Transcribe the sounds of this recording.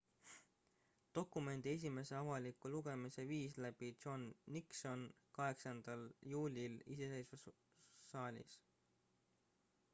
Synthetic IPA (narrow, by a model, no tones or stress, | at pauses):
t̪o̞kume̞nd̪̥ie̞s̬ʲime̞se̞ɑvɑlikːˑuluɡ̥e̞mise̞viːslæb̥idʒ̥onːikso̞nkɑɦe̞ksɑnd̪̥ɑljuːlʲilise̞se̞jsve | sɑːlʲḭs